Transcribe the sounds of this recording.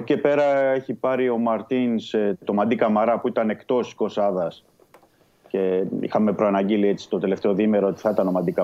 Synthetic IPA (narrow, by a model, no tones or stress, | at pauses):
ce̞pe̞ɾɐe̞çipɐɾio̞mɐɾt̪inst̪o̞mɐnd̪ikɐmɐɾɐpuit̪ɐne̞kt̪o̞si̥ko̞sɐðɐs | ce̞ḭxɐme̞pɾoɐnɐɟilie̞t͡si̥t̪o̞t̪e̞le̞ft̪e̞o̞ðime̞ɾoot̪i̥θɐit̪ɐno̞mɐnd̪ikɐ